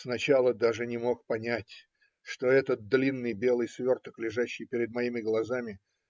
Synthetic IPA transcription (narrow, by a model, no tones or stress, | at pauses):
snɐt͡ɕalˠəd̪aʐɨnʲɪmo̞k̚pɐnʲætʲ | ʂt̪o̞ɛt̪ət̪̚d̪lʲinːɨjbʲe̞lˠɨjsvʲo̞rt̪əklʲɪʐaɕːɪjpʲɪɾʲɪd̪mɐimʲɪɡlˠɐzamʲɪ